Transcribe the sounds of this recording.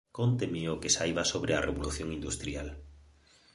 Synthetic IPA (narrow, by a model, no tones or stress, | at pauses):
kont̪emeokesajβasoβɾeareβoluθjoŋind̪ust̪ɾial